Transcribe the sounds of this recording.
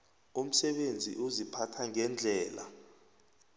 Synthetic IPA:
um̩sɛɓend͡zʱḭʔuzipʰatʰaŋɛnd͡ɮʱɛːla̰

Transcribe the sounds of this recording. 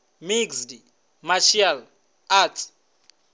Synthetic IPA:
miksdi | maʃial | atʰ

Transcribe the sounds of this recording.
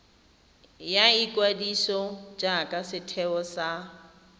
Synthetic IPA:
jaikʼwadiʃɔd͡ʒakʼasɪtʰɛɔsa

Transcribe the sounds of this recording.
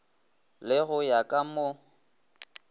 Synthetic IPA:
lɪɣʊjakʼamo

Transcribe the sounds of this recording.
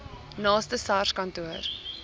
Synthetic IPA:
nɑːstəsɑːrskɐntuər

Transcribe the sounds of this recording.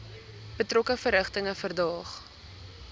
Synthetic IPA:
b̥ətrɔkəfəɾəχtəŋəfərdɑːχ

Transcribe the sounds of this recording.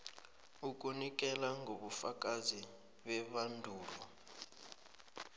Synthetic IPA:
uk̬ʼunikʼɛlaŋɡʱoɓufak̬ʼazi | ɓɛβandʱuːlɔ

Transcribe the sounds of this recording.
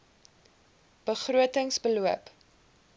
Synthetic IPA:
b̥əχruətəŋsbəluəp

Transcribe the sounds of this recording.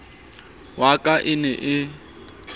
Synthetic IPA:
wakʼaʔɪnɛʔɪ

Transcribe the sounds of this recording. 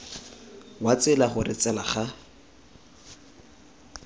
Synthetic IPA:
wat͡sɪlaχʊrɪt͡sʼɛlaχa

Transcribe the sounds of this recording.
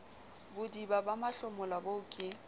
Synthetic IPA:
bʊdibabamaɬɔmʊlabokʼɪ

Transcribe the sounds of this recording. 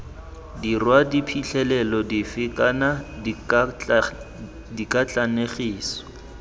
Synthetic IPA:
dirwadipʰiɬɛlɛlɔdifɪkʼana | dikʼat͡ɬʼaneχiːsɔ̥

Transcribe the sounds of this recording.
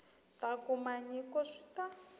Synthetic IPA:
takumaɲikɔʂʷi̥ta

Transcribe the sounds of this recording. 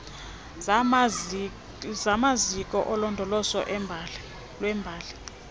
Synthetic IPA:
zamazikʼɔʔɔlɔndʱɔlɔsɔ̰ʔ | lwɛmbʱaːli

